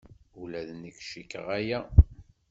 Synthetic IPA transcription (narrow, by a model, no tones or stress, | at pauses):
ulæðnəkʃikːə̰ʁæjæ